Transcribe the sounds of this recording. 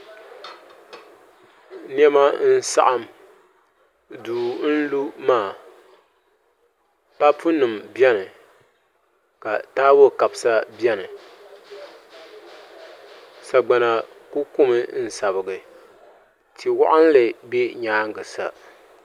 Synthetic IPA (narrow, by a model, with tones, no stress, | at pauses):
n˦ɛ˦ma˦n̩˦sa̰˦ʔa˨m | duː˨n̩˦lu˦maː˦˨ | pa˦pʰu˦nɨ˨mbjɛ˦nɨ˨ | ka˨taː˦wo˦˨ka˨bsa˦bɛ˦nɨ˨ | sa˨ɡ͡ba˨na˨ | ku˦ku˦mɨ˦n̩˦sa˨βɨ˨ɡɨ˨ | tʰi˨wa̰˦ʔa˦n˦lɨ˨bɛ˦ɲaː˨˦ŋ˦ɡɨ˨sa̰˨